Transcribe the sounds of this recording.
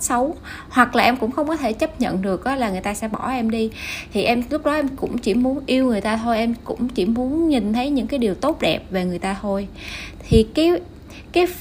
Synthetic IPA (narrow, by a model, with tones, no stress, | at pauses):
sə˨˦w | hwa˨˩k̚laː˨˩ʔɛ˧mkʊ̰˧˥ŋ͡mxə˧wŋ͡mkɔ˨˦t̪ʰe˧˩t͡ɕə˦˥p̚ɲə̰˧˨nɗɨ˨˩ək̚ʔɔ˨˦laː˨˩ŋɨ˨˩əjt̪aː˧sɛ̰˧˥ɓɔ˧˩ʔɛ˧mɗi˧t̪ʰi˨˩ʔɛ˧mlʊ˦˥k͡p̚ɗɔ˨˦ʔɛ˧mkʊ̰˧˥ŋ͡mt͡ɕi˧˩mu˨˦ənʔi˧əwŋɨ˨˩əjt̪aː˧t̪ʰo˧jʔɛ˧mkʊ̰˧˥ŋ͡mt͡ɕi˧˩mu˨˦ənɲi˨˩nt̪ʰə˨˦jɲɨ̰˧˥ŋkaː˨˦jɗi˨˩wt̪o˦˥t̚ɗɛ˨˩p̚ve˨˩ŋɨ˨˩əjt̪aː˧t̪ʰo˧j | t̪ʰi˨˩kaː˨˦ | kaː˨˦j